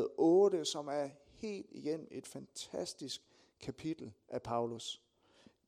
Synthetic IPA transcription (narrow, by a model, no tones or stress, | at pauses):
ʔɔ̽ːd̥əsɒ̽mæɐhe̝̰ːld̥iɡ̥en̰m̩e̝d̥fænt͡sʰæsd̥isɡ̥ | kʰæpʰid̥l̩ʔæpʰɑ̈ʊlus